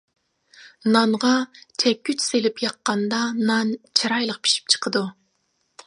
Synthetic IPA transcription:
nɑnʁɑt͡ʃʰɛkʲːyt͡ʃselɪpjɑqːɑnd̪ɑnɑnt͡ʃʰiɾɑjlˠəq̚pʰi̥ʃi̥p̚t͡ʃʰə̥qʰəd̪u

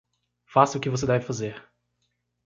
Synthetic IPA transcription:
fasʊkɪvosed̪ɛvɪfazeɾ

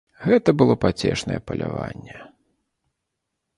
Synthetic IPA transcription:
ɣɛt̪ɐbɨlˠɔpat͡sʲɛʂnɐjɛpɐlʲavanʲːɛ

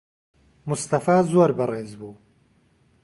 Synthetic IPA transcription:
mʊst̪ɐfaːzoɾbɨreːzbuː

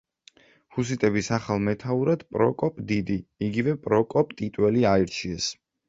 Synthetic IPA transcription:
hus̬it̪ʼɛbisaχalˠmɛt̪ʰauɾad̪̥pʼɾɔkʼɔpʼd̪id̪iiɡivɛpʼɾɔkʼɔpʼt̪ʼit̪ʼwɛliaiɾt͡ʃʰiɛs

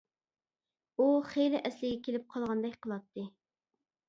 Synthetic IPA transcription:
uχejlɪʔɛslɪɡʲɛkʲʰelɪp̚qʰɑlˠʁɑnd̪ɛkʲqʰəlˠɑt̪ʰːɨ

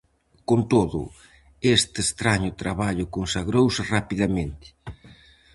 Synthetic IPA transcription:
kont̪oðʊ̰ | est̪est̪ɾaɲʊt̪ɾaβaʎʊkonsaɣɾowsɪrapiðamẽnt̪ɪ̥

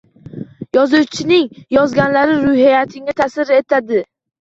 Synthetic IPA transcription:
jɒzʊwt͡ʃʰɪnɪŋjɒzɡʲanlaɾɪɾʊhijat̪ʰɪŋʲat̪ʰasɪɾe̞t̪ʰad̪ɪ

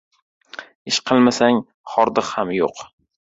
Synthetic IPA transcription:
ɪʃqʰɨlˠmasaŋ | χɒɾd̪ɨqhamjo̰q

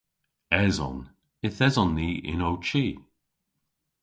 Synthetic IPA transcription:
ɛzɔ̰n | ɪθɛzɔnːiːʔɪ̰nowt͡ʃiː

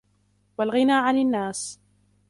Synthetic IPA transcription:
walɣɪnaːʕananːaːs

